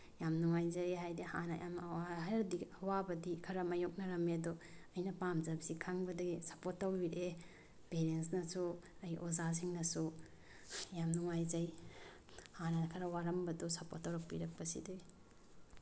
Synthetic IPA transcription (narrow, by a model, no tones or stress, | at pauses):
jamnuŋajzɐeɦajdiha̰nɐjʔamɦɾɐdiɐwabɐdikʰɐɾɐmɐjok̚nɐɾɐmedoɐjnɐpamzɐbsikʰaŋbɐdɐɡisɐpotːɐwbiɾe | peɾensnɐsuɐjʔozas̬iŋnɐsu | jamnuŋajzɐj | hanɐkʰɐɾɐwaɾɐmbɐdosɐpotːɐwɾɐk̚piɾɐk̚pɐsḭdu